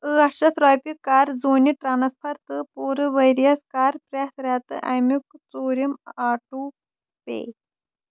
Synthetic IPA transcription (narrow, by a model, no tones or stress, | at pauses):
ɨɐɐt̪ɾaːpikːaːɾzoːniʈɾaːnspʰɐɾt̪ɨpuːɾɨʋɐjɾijɐskaːɾpɾet̪ɾat̪ɨʔɐ̰jmukt͡soːɾimaːʈu | pḛː